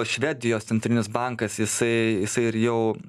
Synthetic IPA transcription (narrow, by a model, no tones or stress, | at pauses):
ʃʲʋʲæːd̪ʲɪjoːst̪sʲɛnt̪ɾʲɪnʲɪsbɐŋkɐsjɪsɐɪjɪsɐɪɪɾjɛʊ